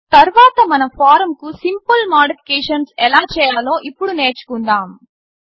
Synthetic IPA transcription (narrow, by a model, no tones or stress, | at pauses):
t̪ɐɾʋaːt̪ɐmɐnɐpʰaːɾɐmkusimpɐlmaːɖipʰi̥keːʂɐnsɛlaːt͡ʃɛːjaːlo̞ːʔipːuɽuneːt͡ʃu̥kund̪aːm